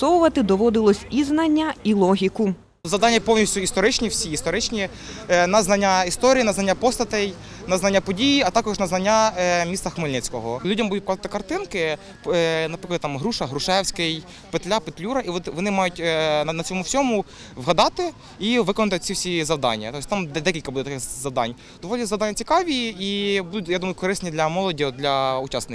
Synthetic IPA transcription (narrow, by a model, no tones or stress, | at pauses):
sɔwʊʋɐt̪ɪd̪ɔʋɔd̪ɪlˠɔsʲiznɐnʲːɐilˠɔɦʲikʊ | zɐwd̪ɑnʲːɐpɔwnʲisʲtʲʊist̪ɔɾɪt͡ʃnʲiwsʲiist̪ɔɾɪt͡ʃnʲi | nɐznɐnʲːaist̪ɔɾʲijinɐznɐnʲːapɔst̪ɐt̪ɛjnɐznɐnʲːapɔdʲijiɐt̪ɑkɔʒnɐznɐnʲːamʲissɐxmɪlʲnɪt͡sʲkɔɦɔlʲudʲɐmbud̪ʊkɔzɑt̪ɪ̥kɐrt̪ɪnkɪ | nɐpɾɪklˠɐd̪t̪ɑmɦɾuʃɐɦɾʊʃɛwsʲkɪj | pɪt̪lʲapet̪lʲuɾɐʔiʋɔʋɔnɪmɑjʊtʲnnɐt͡sʲɔmʊwsʲɔmʊ | ʋɦɐd̪ɑt̪ɪ | iʋɪkɔnɐt̪ɪt͡sʲiwsʲizɐwd̪ɑ̰nʲːɐ̰t̪ɔsʲt̪ɑmd̪ɛd̪ɛkʲilʲkɐbud̪ɛt̪ɐkɪxzɐwd̪ɑ̰nʲ | d̪ɔʋɔlʲizɐwd̪ɑnʲːɐt͡sʲi̥kɑʋʲiibud̪ʊjad̪umɐjʊkɔɾɪsnʲid̪lʲɐmɔlˠɔdʲiɔd̪lʲɐʊt͡ʃɑsnɪ